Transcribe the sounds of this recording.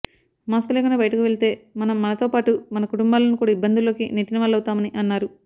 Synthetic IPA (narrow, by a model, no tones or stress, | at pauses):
maːskule̞ːkunɖaːbɐjɐʈɐkuʋe̞ɭit̪e̞ːmɐnɐmːɐnɐt̪o̞ːpaːʈumɐnɐkuʈumbaːlɐnikuːɽaːibːɐnd̪ilo̞ːkineʈːinɐʋɐːlɐwt̪aːmɐniʔɐnːaːɾu